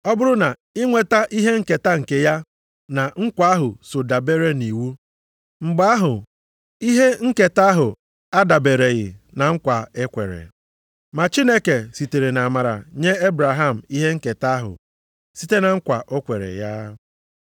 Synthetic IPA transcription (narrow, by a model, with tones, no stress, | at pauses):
ɔ˦bʊ˦ɾʊ˦na˨ | ɪ˦ŋʷe˨ta˦ʔi˦ɦe˦ŋ̩˦ke˨ta˦ŋ̩˨ke˦ja˦ | na˨ŋ̩˦kʷa˨˦a˦ɦʊ˨so˨da˨be˦ɾe˦ni˨wu˦ | ŋ͡m̩˨ɡ͡ba˦a˦ɦʊ˨ | i˦ɦe˦ŋ̩˦ke˨ta˦ɦʊ˨ | a˦da˨be˨ɾe˨ɣɪ̰˨ | na˨ŋ̩˦kʷa˨e˦kʷḛ˨ɾḛ˨ | ma˨t͡ʃi˦ne˦ke˨si˨te˨ɾe˨na˨ma˨ɾa̰˨ɲe˦e˦bɾa˨ɦa˦˨m̩˨i˦ɦe˦ŋ̩˦ke˨ta˦ɦʊ̰˨ | si˦te˦na˨ŋ̩˦kʷa˨ʔo˦kʷe˨ɾḛ˨ja˦